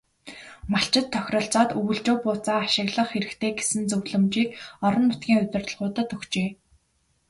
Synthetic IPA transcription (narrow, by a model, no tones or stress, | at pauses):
maɬt͡ɕɪ̆t̪ʰːœxʲrɞ̆ɬt͡sɔːt̪ɵɣɵ̆ɮt͡ɕʊːpʊːt͡saːʃɪ̆ɣɮə̆χxeɾɘ̆kt̪ʰeːɡe̥sɘ̆nt͡sɵwɮɘ̆mt͡ɕiːkɔɾɞ̆nːʊt̪̚ɡʲiːŋʊt̪ʲɪ̆rt̪ə̆ɮʁʊːt̪ə̆t̪ɵxt͡ɕeː